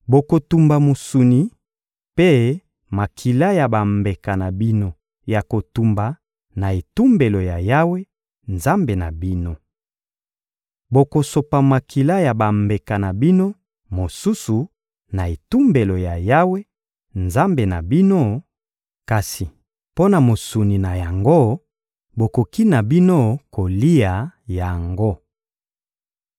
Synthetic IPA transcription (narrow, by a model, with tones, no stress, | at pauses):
bo˨ko˨tu˨mba˨mo˨su˨ni˨ | pe˦ | ma˨kʰi˨la˦ja˨ba˨mbe˨ka˨na˨bi˦no˦ | ja˨ko˨tu˨mba˨ | na˨e˨tu˦mbe˨lo˨ja˨ja˦we˦ | nza˦mbe˨na˨bi˦no˦ | bo˨ko˨so˨pa˨ma˨kʰi˨la˦ja˨ba˨mbe˨ka˨na˨bi˦no˦ | mo˨su˦su˨ | na˨e˨tu˦mbe˨lo˨ja˨ja˦we˦ | nza˦mbe˨na˨bi˦no˦ | ka˨si˨ | po˦na˨mo˨su˨ni˨na˨ja˨ŋɡo˦ | bo˨ko˨ki˦na˨bi˦no˦ko˨li˦a˨ja˨ŋɡo˦